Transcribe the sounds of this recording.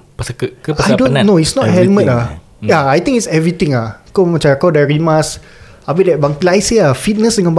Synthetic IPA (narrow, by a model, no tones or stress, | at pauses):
pəsəkəkəajdõnnoisnɔt̚hɛlmə̃ta | jaajt̪ĩŋkitsɛvɹit̪ĩŋakomat͡ʃãkawdaɹimas | abidɛt̚baŋkilajsəafit̚nəsdəŋãnb